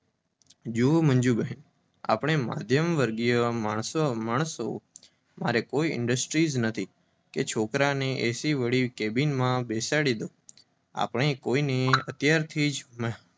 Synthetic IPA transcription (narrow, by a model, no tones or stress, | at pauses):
d͡ʒumənd͡ʒubəɦe | a̰pɳ̃ema̰d̪ʱjəmʋəɾɡijəmaɳsmaɽ̃əso | maɾekoiɪ̰ɳɖəsʈɾiznət̪ʰi | ket͡ʃʰokɾaneʔesiʋəɭikebinmãbesaɽid̪o | a̰pɳ̃ekoineət̪jaɾt̪ʰiːd͡ʒm